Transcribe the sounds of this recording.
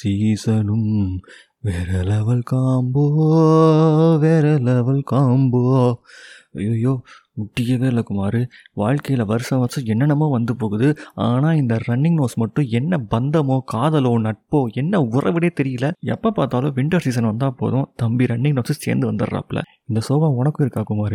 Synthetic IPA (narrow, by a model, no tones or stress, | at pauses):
siːsɐnɯm | ʋeːɾɐlɐʋɐlkaːmbo | ʋeːɾɛlɐʋɐlkaːmbo | ɐjoːjoː | mʊʈːɪjɐʋeːɾlɐkʊmaːɾɯ | ʋaːɻkɐjɪlɐʋɐɾɯsɐ̃ʋɐɾsɐ̃ɛnːɐnɐmoːʋɐnd̪ɯpoːɣɯðɯaːnaːɪnd̪ɐɾɐɳːɪŋnoːsmɐʈːʊ̃ɛnːɐbɐnd̪ɐmoːkaːðɐloːnɐʈ̚poːɛnːɐʊrʔɐ̰ʋɪɽeːt̪ɛɾɪjɪlɐɛ̰pːɐpaːɾt̪aːlʊ̃ʋɪɳʈɐɾsiːs̬ɐnʋɐnd̪aːpo̰ːðʊ̃t̪ɐmbiɾɐɳːɪŋnoːɾsɯsḛːɾnd̪ɯʋɐnd̪ɯɾɾa̰ːpːɪlɐ̰ | ɪnd̪ɐsoːbɐ̃ɔɳɐkːʊ̃ɪɾɯkːaːkʊmaːɾɯ